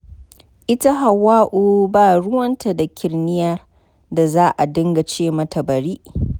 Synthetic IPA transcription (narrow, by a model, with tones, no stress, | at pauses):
ʔɪ˦ta˦ɦa˨wːaː˦ʔuː˨baː˦˨ɽʊ˦wɐ˦nta˨da˨kʲɪ˨rnɪ˦ja˦ | da˨zaː˦ʔa˨dʊ˦ŋɡa˨t͡ʃeː˦˨mɐ˦tʰɐ˨bɐ˨ɾiː˦ʔ